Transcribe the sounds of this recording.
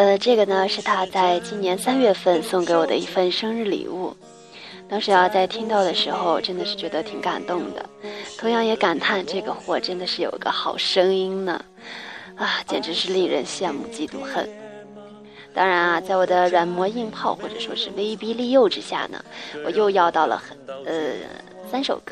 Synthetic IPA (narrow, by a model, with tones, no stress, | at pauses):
ə˧ʈ͡ʂɤ˥˩ɡə˩nə˩ʂɻ̩˥˩t̪ʰa˥t͡sa˥˧ɪt͡ɕi˥njɛ˧˥nsa˥nɥɛ˥˧fə˥˧nsʊ˥˩ŋke˧˥ɪwɔ˨˩d̪ə̰˦i˥˩fə˥˧nʂɤ˥ŋɻɻ̩˥˩lḭ˨˩u˥˩ | t̪ɑ˥ŋʂɻ̩˧˥ɑ˧t͡sa˥˩ɪt̪ʰi˥ŋt̪ɑ˥˩ʊd̪ə˩ʂɻ̩˧˥xo˧ʊʈ͡ʂə˥nd̪ə˨˧ʂɻ̩˥˩t͡ɕɥɛ˧˥d̪ə˧t̪ʰi˧˥ŋka̰˨˩nt̪ʊ˥˩ŋd̪ə̰˩t̪ʰʊ˧˥ŋjɑ˥˩ŋjɛ˧˥ka˨˩nt̪ʰa˥˧nʈ͡ʂɤ˥˩ɡə˩xwɔ˥˩ʈ͡ʂə˥nd̪ə˨˧ʂɻ̩˥˩jo̰˨˩ʊi˧˥ɡə̰˧xɑ˨˩ʊʂɤ˥ŋi˥nnə̰˨ | a˥˩t͡ɕjɛ˨˩nʈ͡ʂɻ̩˧˥ʂɻ̩˥˧li˥˩ŋɻə̰˧˥nɕjɛ˥˧nmṵ˥˩t͡ɕi˥˩t̪ṵ˧˥xə̰˥˩n | t̪ɑ˥ŋɻa˧˥nɐ˧t͡sa˥˩ɪwɔ˨˩d̪ə˦ɻwa˨˩nmwɔ˧˥i˥˧ŋpʰɑ˥˧ʊxwɔ˥˩ʈ͡ʂɤ˨˩ʂwɔ̰˥ʂɻ̩˥˧we˥ɪ˥pi˥li˥˧jo˥˧ʊʈ͡ʂɻ̩˥ɕja̰˥˩nə̰˩wɔ̰˨˩jo˥˧ʊjɑ˥˧ʊt̪ɑ˥˩ʊlə̰˩xnə̰˧sa˥nʂo̰˨˩ʊkɤ˥